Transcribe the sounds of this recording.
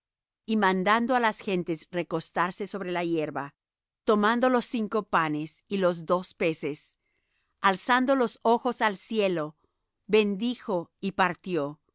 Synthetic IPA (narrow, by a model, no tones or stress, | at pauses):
imãnd̪and̪o̞alasxe̞nt̪e̞sre̞ko̞st̪aɾse̞so̞βɾe̞laje̞ɾβa | t̪o̞mand̪o̞lo̞siŋko̞panesilo̞zd̪o̞spe̞se̞s | alsand̪o̞lo̞so̞xo̞salsje̞lo̞ | βe̞nd̪ixo̞ipaɾt̪jo̞